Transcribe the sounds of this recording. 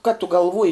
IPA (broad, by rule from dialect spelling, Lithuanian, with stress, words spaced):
kɐ tʊ ɡɐlˠˈʋuɔjɪ